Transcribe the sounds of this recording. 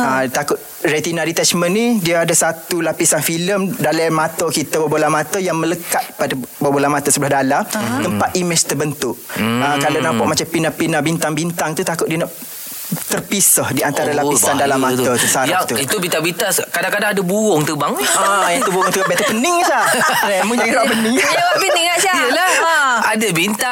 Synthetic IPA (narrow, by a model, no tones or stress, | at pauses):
at̪akʊt̪ | ret̪inaɾit̪ɛt͡ʃmənːidiəadasat̪ulapisanfiləmdalɛmat̪əkit̪əbəbolamat̪əjaŋmələkat̪̚padabəbolamat̪əsəbəlahdalamt̪əmpat̪imɪt͡ʃt̪əbənt̪ʊʔakalawnampaʔ̚mat͡ʃampinahpinabint̪aŋbint̪aŋt̪ut̪akʊt̪̚diənaʔ | t̪ərpisahdiant̪aɾalaisandalamːãt̪ət̪usaɾat̪uit̪ubit̪abit̪askadakadaŋadəbuʊŋt̪ubaŋajat̪ubuʊŋt̪ubɛt̪əpənɪŋsaamuŋaŋanapənɪŋababiniŋaʔiaiəla | adabint̪a